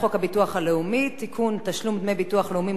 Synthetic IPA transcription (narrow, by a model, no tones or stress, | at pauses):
χo̞khabituaχhaleumit̪ikʰunt̪aʃlumd̪mejbituaχleumi